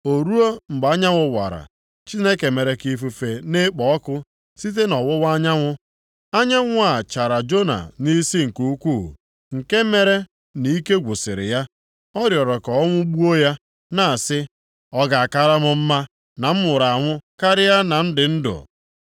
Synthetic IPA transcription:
o˨ɾu˦o˦ŋ͡m̩˨ɡ͡ba˦ɲa˦ŋʷʊ˨wa̰˨ɾa̰˨ | t͡ʃi˦ne˦ke˨me˨ɾe˨ki˦fu˦fe˨ne˦k͡pɔ˨ɔ˦kʊ˦ | si˦t̬e˦nɔ˨wʊ˦wa˦ɲa˦ŋʷʊ˦ | a˦ɲa˦ŋʷʊ˦a˨t͡ʃa˨ɾa˨d͡ʒo˦na̰˨ni˦si˦ŋ̩˨ku˦u˦kʷu˦˨ | ŋ̩˨ke˦me˦ɾe˦ | ni˨˦ke˦ɡʷʊ˨sɪ̰˨ɾɪ̰˨ja˦ | ɔ˦ɾjɔ˨ɾɔ˨kɔ˨ɔ˦ŋʷʊ˦ɡ͡bu˦o˦ja˦ | na˨sɪ˦ | ɔ˦ɡa˨a˨ka˦ɾa˦mʊ˦m̩˦ma˦ | na˨m̩˦mʊ˨ɾa˨a˨ŋʷʊ˦ka˦ɾɪ˦ja˦na˨n̩˦dɪ˨n̩˦dʊ̰˨

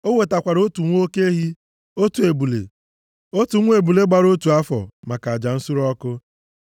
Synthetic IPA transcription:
o˦we˨ta˨kʷa˨ɾo˦tu˨ŋʷ˦o˦ke˦ɦi˦ | o˦tu˨e˨bu˨lḛ˨ | o˦tu˨ŋʷ˦e˨bu˨le˦ɡ͡ba˨ɾo˦tu˨a˦fɔ̰˨ma˨ka˨a˨d͡ʒa˨n̩˦su˦ɾɔ˦kʊ˦

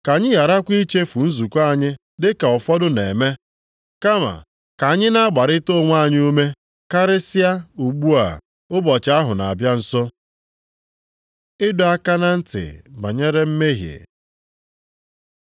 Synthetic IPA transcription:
ka˨ɲɪ˦ja˨ɾa˦kʷi˦t͡ʃe˦fu˨n̩˦zu˨kʷa˦˨ɲɪ˦ | dɪ˦ka˨ɔ˨fɔ˦dʊ˦ne˨me˦ | ka˦ma̰˨ | ka˨ɲɪ˦na˦ɡ͡ba˨ɾɪ˦to˦˨ŋʷ˦a˦˨ɲ˦u˦me˦ | ka˦ɾɪ˦sɪ˦a˦u˨ɡ͡bu˦a̰˨ | ʊ˦bɔ˨t͡ʃa˦ɦʊ˨na̰˨a˨bja˦n̩˦sɔ˦ | ɪ˦dʊ˨a˦ka˦na˦n̩˦tɪ̰˨ba̰˨ɲe˦ɾe˦m̩˦me˦ɦjḛ˨

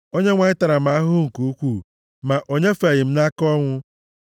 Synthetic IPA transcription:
o˦ɲe˦ŋʷa˨ɲɪ˦ta˨ɾa˨ma˦a˦ɦʊ˦ŋ̩˨ku˨˦kʷu˦˨ | ma˨ʔo˦ɲe˦fe˨ɣɪ˨m̩˦na˦kɔ˦ŋʷʊ˦

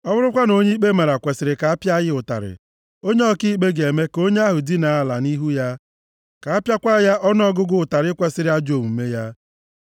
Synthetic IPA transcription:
ɔ˦bʊ˦ɾʊ˦kʷa˦no˨ɲe˦k͡pe˦ma˨ɾa˨kʷe˨sɪ˨ɾɪ˨ka˨a˦pja˦jɪ˦ʊ˨ta̰˨ɾɪ̰˨ | o˦ɲe˦ɔ˦ki˦k͡pe˦ɡe˨me˦ko˦ɲe˦a˦ɦʊ˨di˦na˨a˦˨la˨ni˦ɦu˦ja˦ | ka˨a˦pja˦kʷa˦ja˦ʔɔ˦nɔ˦ɡʊ˦ɡʊ˦ʊ˨ta˨ɾɪ˦kʷe˨sɪ˦ɾɪ˦a˦d͡ʒo˨mu˨m̩˨me˦ja˦

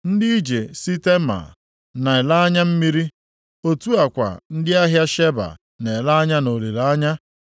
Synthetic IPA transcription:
n̩˦dɪ˦i˦d͡ʒe˨si˦te˦ma̰˨ | na˨e˨la˦a˦ɲa˦m̩˦mi˦ɾi˦ | o˨tu˦a˨kʷa̰˨n̩˦dɪ˦a˦ɦja˦ʃe˦ba̰˨ | ne˨la˦a˦ɲa˦no˨li˨ɾa˦ɲa˦

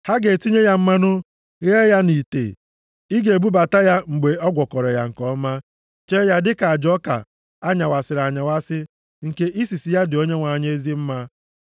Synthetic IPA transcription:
ha˦ɡe˨ti˦ɲe˦ja˦m̩˦ma˦nʊ˦ | ɣe˦ja˦ni˨tḛ˨ | i˦ɡe˨bu˦ba˨ta˦ja˦ŋ͡m̩˨ɡ͡be˨ɔ˦ɡʷɔ˨kɔ˨ɾɔ˨ja̰˨ŋ̩˨kɔ˦ma˦ | t͡ʃe˦ja˦dɪ˦ka˨d͡ʒɔ˦ka̰˨ | a˦ɲa˨wa˨sɪ˨ɾa˨ɲa˨wa˦sɪ˦ | ŋ̩˨ke˦ʔi˦si˨si˨ja˦dɪ˨o˦ɲe˦ŋʷa˨ɲ˦e˦e˦zi˦m̩˦ma˦

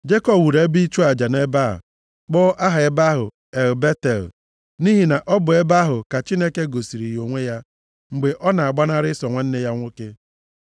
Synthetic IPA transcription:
d͡ʒe˦kɔ˦bwu˨ɾe˦bi˦t͡ʃu˦a˨d͡ʒa˨ne˦ba̰˦˨ | k͡pɔ˦ʔa˦ɦa˨e˦ba˦ɦʊ̰˨ | e˨lbe˦te˨l | ni˦ɦi˨na˨ʔɔ˦bʊ˨e˦ba˦ɦʊ˨ka˨t͡ʃi˦ne˦ke˦ɡo˨si˨ɾi˨jo˨ŋʷe˦ja˦ | ŋ͡m̩˨ɡ͡be˨ʔɔ˦na˨a˨ɡ͡ba˦na˦ɾɪ˦sɔ˨ŋʷa˨n̩˦ne˦ja˦ŋʷʊ˦ke˦

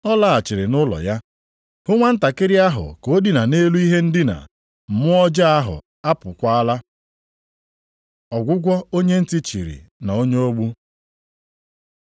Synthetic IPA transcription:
ɔ˦la˦a˨t͡ʃɪ˨ɾɪ˨nʊ˦lɔ̰˨ja˦ | hʊ˦ŋʷa˦n̩˦ta˨kɪ˦ɾɪ˦a˦ɦʊ̰˨ko˨˦di˨na˨ne˦lu˦i˦ɦe˦n̩˦dɪ˦na̰˨ | m̩˨mʊ˦ɔ˦d͡ʒa˦a˦ɦʊ̰˨ | a˦pʊ˨kʷa˦a˦la˦ | ɔ˨ɡʷʊ˦ɡʷɔ˦o˦ɲe˦n̩˦ti˦t͡ʃḭ˨ɾḭ˨na˨o˦ɲe˦o˦ɡ͡bu˦

